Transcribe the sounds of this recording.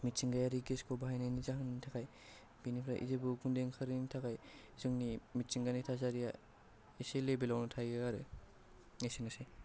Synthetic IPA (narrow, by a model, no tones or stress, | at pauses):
mitt͡ʃiŋɡajaɾiɡeskʰɔbaɦajnajnizaɦɯnitʰakaj | b̥inipʰɾa̰ʔḭzebɯɡundeŋkʰɯɾinitʰakaj | zɯŋnimitsiŋɡanitʰazaɾija | eselebilawnɔtʰajɯaɾɯ | esenɯse